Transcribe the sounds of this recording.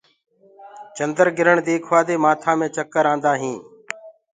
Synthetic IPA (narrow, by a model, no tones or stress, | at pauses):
t͡ʃənd̪əɾɡɪɾəɳd̪eːkʰʋaːd̪eːmaːt̪ʰãːmẽːt͡ʃəkːəɾãːnd̪aːɦĩː